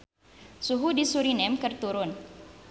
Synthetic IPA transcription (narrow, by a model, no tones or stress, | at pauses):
suɦudisuɾinɛmkərt̪uɾʊn